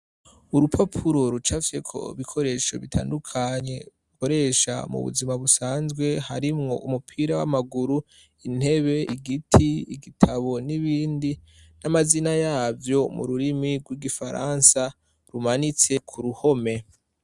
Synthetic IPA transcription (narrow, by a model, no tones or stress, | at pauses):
uɾupʰapʰuɾo̞ɾut͡ʃafjekʰo̞̰iβikʰo̞ɾe̞ːʃo̞̰βitʰa̰ːndukʰaɲe̞ | uko̞ɾe̞ʃa̰mṵβṵzimaβusaːnzɡwe̞haɾimŋo̞ʔumupʰiːɾawa̰maɡuɾu | in̥he̞βe̞iɡitʰiiɡitʰaβo̞niβiːndi | namazinajaːvjo̞mṵɾuɾimiɡwiɡifaɾa̰ːnsa | ɾumanit͡se̞kʰuɾuho̞me̞